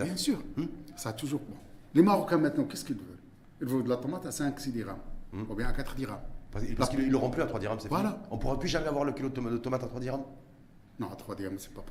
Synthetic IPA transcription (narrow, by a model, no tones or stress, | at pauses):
bjɛ̃syʁm̩saːt̪uʒuʁbɔ̃lemaʁɔkɛ̃mɛ̃t̪nɑ̃kɛskilvəl | ilvɔ̃d̪əlat̪ɔmat̪asɛ̃ksid̪iʁamubjɛ̃akat̪χd̪iʁampaspaskiilːɔʁɑ̃plyat̪χwad̪iʁamsɛfvalaɔ̃puʁaplyʒamɛavwaʁləkʲilod̪md̪ət̪ɔmat̪at̪χwad̪iʁam | nɔ̃at̪χwad̪iʁamsɛ̥pap